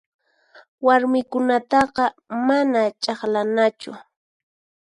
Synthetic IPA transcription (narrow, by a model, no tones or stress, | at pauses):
waɾmɪkʊnat̪ɑqɑmanat͡ʃʼɑχlanat͡ʃʊ̰